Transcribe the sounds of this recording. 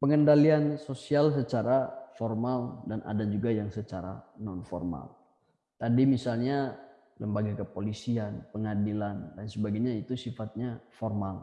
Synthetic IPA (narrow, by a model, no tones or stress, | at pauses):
pəŋəndaliansosials̬ət͡ʃaɾafɔrmaldanʔa̰dad͡ʒuɡajaŋsət͡ʃaɾa̰nɔnfɔ̰rma̰l | t̪adimisalɲa | ləmbaɡakəpolisianpəŋadilandansəbaɡajɲait̪usifat̪̚ɲafɔrmal